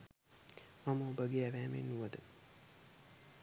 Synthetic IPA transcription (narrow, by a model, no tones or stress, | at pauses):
maməobəɡeːæʋæːmḛnːuʋəd̪ə